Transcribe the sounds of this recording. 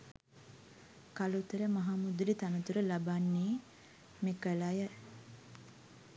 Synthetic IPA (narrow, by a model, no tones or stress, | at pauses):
kalut̪əɾəmɐɦaːmud̪ɾit̪anət̪uɾəlabanːiː | mikəlajə